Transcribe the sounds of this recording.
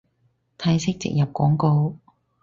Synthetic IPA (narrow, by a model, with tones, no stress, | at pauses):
t̪ʰɐː˧˥jsɪ˥k̚t͡sɪ̰˨k̚jɐ˨p̚kɔː˨˥ŋko˧w